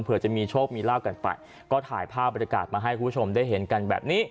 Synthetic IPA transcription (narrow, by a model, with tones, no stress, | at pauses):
npʰɯ˨˩˦t͡ɕa˨˩miː˧t͡ɕʰoː˥˩k̚miː˧laː˥˩wka˧npa̰˨˩j | kɔː˥˩t̪ʰaː˩˦jpʰaː˥˩p̚ːa˧nja˧ka̰ː˨˩t̪̚maː˧ɦa˥˩jkʰu˧˩pʰːt͡ɕʰo˧mdaː˥˩jɦe˩˦nka˧nbɛ̰ː˨˩p̚niː˦˥˩